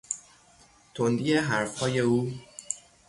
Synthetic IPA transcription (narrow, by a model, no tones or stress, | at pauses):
t̪ʰond̪iːjeɦæɾfhɒːje̞uː